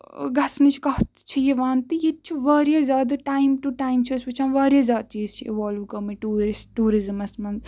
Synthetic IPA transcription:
ɡɐsnɨt͡ʃʰkɐht̪t͡ʃʰijeʋaːnt̪ijet͡ʃʰiʋaːɾjaːzʲaːd̪ʈaːimʈuʈaːimt͡ʃʰiɐsʋɐt͡ʃʰãːnʋaːɾjazʲaːd̪̚t͡ʃiːzt͡ʃʰiiʋaːluːkɐmiʈuːɾɾisʈuːɾizɨmɐsmɐnz

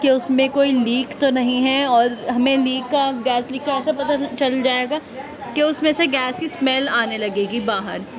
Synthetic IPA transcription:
keʊsmẽkoːiliːkt̪onɐɦĩɦɛɔːɾɦɐmẽliːkːaɡɛːsliːkkːaɛːsapɐt̪at͡ʃɐld͡ʒaːeːɡaː | keʊsmẽseɡɛːskismɛlaːnelɐɡeːɡibaːɦə̰ɾ

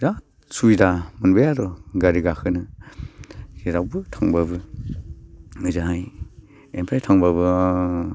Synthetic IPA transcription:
ɾa | sujdamɯnbajaɾɔɡaɾiɡakʰɯnɯ | kiɾawbɯtʰaŋbabɯ | ɯzaɦaj | enpʰajtʰaŋbaβɯ

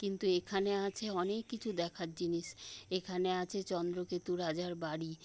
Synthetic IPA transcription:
kint̪uekʰaneat͡ɕʰeɔnekːit͡ɕʰud̪ɛkʰaɾd͡ʑiniʃekʰaneat͡ɕʰet͡ɕɔnd̪ɾoket̪uɾad͡ʑaɾbaɽi

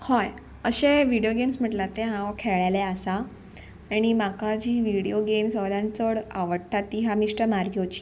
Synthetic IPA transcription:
hɔj | əɕeʋiɽijoɡemsm̤əʈlat̪eɦãwkʰeɭaleasa | aɽ̃imakad͡ʑiːʋiɽijoɡemsəlãnt͡səɽaʋəɽt̪at̪ːiːɦamiʂʈəmaɾjot͡ɕi̥

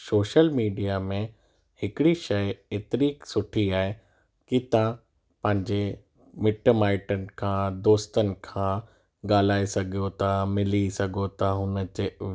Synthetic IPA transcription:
soːʃəlmiːɖijamẽ | hɪkɪɽiʃɐjeːt̪ɪɾiːksʊʈʰiaːɦe | kit̪ã | pɐ̃ɦɪ̃ɲd͡ʑe | mɪʈmaːɪʈənɪ̆kʰãːd̪oːst̪ənɪ̆kʰãː | ɠaːl̤aːesɐɡʱijot̪ʰamɪlisɐɡʱot̪aɦʊnə̆t͡ɕe

